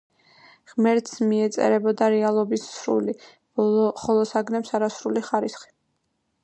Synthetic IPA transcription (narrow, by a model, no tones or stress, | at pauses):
ʁmɛɾt̪smiɛt̪sʼɛ̰ɾɛbɔd̪aɾɛalˠɔbisːɾṵli | χɔlˠɔsaɡnɛpsaɾasɾuliχaɾisχi̥